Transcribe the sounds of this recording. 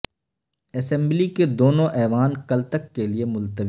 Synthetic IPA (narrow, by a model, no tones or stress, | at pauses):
ɛsɛ̃mbliked̪oːnõʔɛːʋaːnkɐlt̪əkːeliemʊlt̪əʋ